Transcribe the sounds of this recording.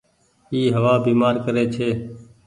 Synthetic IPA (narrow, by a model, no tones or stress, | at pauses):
iːɦəʋaːbiːmaːɾkəɾeːt͡ʃʰeː